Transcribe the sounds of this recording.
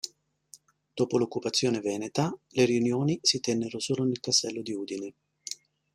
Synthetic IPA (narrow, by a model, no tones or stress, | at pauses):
d̪̥oːpolokːupat̪sːjoːnevɛːnet̪aleɾiunjoːnisit̪ɛnːeɾosoːlonelkast̪ɛlːod̪iuːd̪ine